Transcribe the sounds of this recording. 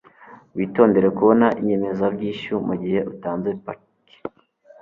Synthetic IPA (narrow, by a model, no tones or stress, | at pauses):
wiːto̞ːnde̞ɾekuβo̞naʔiɲe̞me̞zabɟiːʃumuɟihe̞ʔutaːnzwepa | ki̥